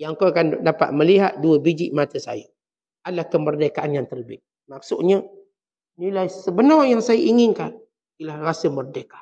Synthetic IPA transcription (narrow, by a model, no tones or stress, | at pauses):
jaŋkokandapa̰ʔ̪̚məliɦat̪̚duəbid͡ʒiʔmat̪əsa̰jə̰ | alahkəmərdekaʔanjaŋt̪ələbɪʔ̚ | mak̚sʊʔɲə | nilajsəbənɔjaŋsajəʔiŋɪnkan | ilahrasəmərdekḁ